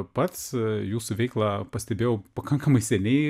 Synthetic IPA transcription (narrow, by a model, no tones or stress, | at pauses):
pɐt̪sjuːsʊʋʲɛɪklˠɑːpɐsʲt̪ʲɛbʲeːjoʊpɐkɐŋkɐmɐɪsʲɛnʲɛɪ